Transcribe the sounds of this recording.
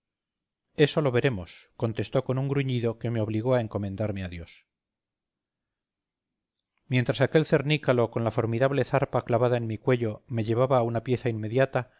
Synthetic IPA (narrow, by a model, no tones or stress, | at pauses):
e̞so̞lo̞βe̞ɾe̞mo̞sko̞nt̪e̞st̪o̞ko̞nuŋɡɾuɲiðoke̞me̞o̞β̞liɣo̞ae̞ŋko̞mẽ̞nd̪aɾme̞aðjo̞s | mje̞nt̪ɾasake̞lθe̞ɾnikalo̞ko̞nlafo̞ɾmiðaβle̞θaɾpaklaβaðaenmikwe̞ʎo̞me̞ʎe̞β̞aβaːunapje̞θainme̞ðjat̪a